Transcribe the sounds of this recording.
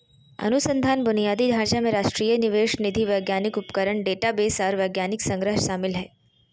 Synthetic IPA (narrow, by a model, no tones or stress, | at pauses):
ə̰nusənd̪ʱanbʊnijad̪id̪ʱaɾt͡ʃamẽɾaʃʈɾijəniʋeʃnid̪ʱiʋəjɡjanikupkəɾəɳɖeʈabesaɾʋəɡjaniksə̃ŋɡɾəɦsamɪlɦɛ